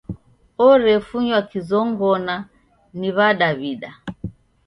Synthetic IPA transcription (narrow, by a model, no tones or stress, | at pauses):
ɔɾɛfuɲwakizɔŋɡɔna | niβaɗaβiɗa